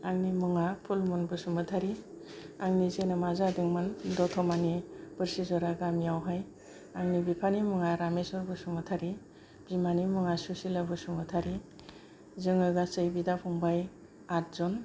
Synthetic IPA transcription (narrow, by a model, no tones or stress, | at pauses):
aŋnimɯŋapʰulmunbɯsumɯtʰaɾi | aŋnizenɯmazadɯŋmɯndɔtʰɔmanib̥ɯɾsizɔɾaɡamijawɦaj | aŋnibipʰanimɯŋaɾamesɔɾbɯsumɯtʰaɾi | b̥imanimɯŋasusilabɯsumɯtʰaɾi | zɯŋɯɡasɯjbidapʰɔŋbaj | at̚zɔn